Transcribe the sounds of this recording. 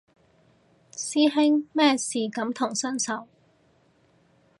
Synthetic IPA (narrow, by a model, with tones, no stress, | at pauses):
siː˥ɦɪ˥ŋmɛː˥siː˨kɐ˨˥mt̪ʰʊ˨˩ŋsœ˥nsɐ˨˥w